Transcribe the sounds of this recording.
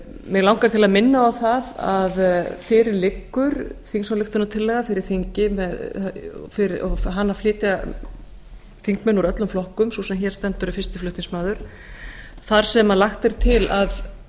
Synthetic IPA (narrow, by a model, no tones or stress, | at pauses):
mjɛɣlawŋkaɾ̥t̪ʰɪlaðmɪnːaawθaðaðfɪɾɪɾlɪkːʏɾ̥θiŋksalɪxt̪ʏnːat̪ʰɪlːɛɣafɪɾɪɾ̥θiɲcɪmɛð | fɪɾɪɔɦanːaflɪːt̪ja | fiŋkmɛnuɾœt̪lʏmflɔhkʏmsɔsɛmçɛɾst̪ɛnt̪ʏɾʏfɪst̪ɪ̥flʏht̪iŋsmaːðʏɾ̥ | θaɾ̥sɛmalaxt̪ɛɾ̥t̪ʰɪlað